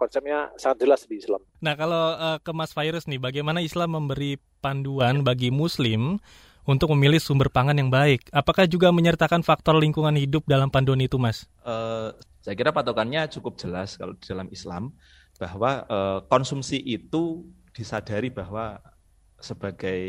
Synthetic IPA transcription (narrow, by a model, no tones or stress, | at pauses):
pat͡ʃɛp̚ɲasaŋat̪̚d͡ʒəlasdiisla̰m | nahkaloəːkəmasfajɾʊsnɪhbaɡajmanaislamːəmbəɾi | panduanbaɡimuslɪm | unt̪ʊk̚məmilɪhsumbərpaŋanjaŋbaɪk̚apakahd͡ʒuɡaməɲərt̪akanfak̚t̪ɔrliŋkuŋanhidʊp̚dalampanduanit̪umasʔəsajakiɾapat̪okanɲat͡ʃukʊp̚d͡ʒ̥əlaska̰lodid̥alamisla̰m | b̥ahwaəːkɔnsumsiʔit̪ud̥isad̥a̤ɾib̥ahwa | səb̥aɡ̥aj